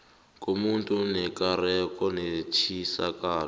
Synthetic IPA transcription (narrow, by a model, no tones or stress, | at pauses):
kʼumuntʼunɛkʼaɾɛkʼɔnet͡ʃʰisakʼaːl